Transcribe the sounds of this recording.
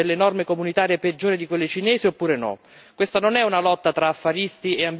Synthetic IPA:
elːenɔrmekomunit̪aːɾieped͡ʒːoːɾed̪ikwelːɪt͡ʃinɛːsiopːuːɾenɔ̰ | kwest̪anonɛunalɔt̪ːat̪ɾaːfːaɾist̪ieamb

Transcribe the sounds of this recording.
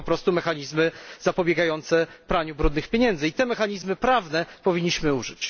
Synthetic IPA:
ɔpɾɔst̪umɛxaɲizmɘz̥apɔbʲjɛɡajɔnt̪sɛpɾaɲubɾud̪nɘxpʲjeɲɛnd̪zɘit̪ɛmɛxaɲizmɘpɾavnɛpɔvʲiɲːiɕmɘuʐɘt͡ɕ

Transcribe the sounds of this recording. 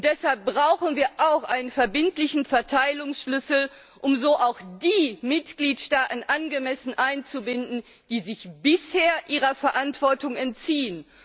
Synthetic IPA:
nd̥ɛshalp̚b̥ʁaʊxn̩viːɐʔaʊxʔaɪnənfɛɐbɪntlɪçn̩fɛɐtʰaɪlʊŋsʃlʏsl̩ | ʔʊmzoːʔaʊxd̥iːmɪtɡ̥liːtʃtaːtn̩ʔanɡəmɛsn̩ʔaɪnt͡subɪndn̩ | d̥iːzɪçb̥ɪsheːɐʔiːʁ̞ɐfɛɐʔantv̥ɔɐtʊŋɛntt͡siːən

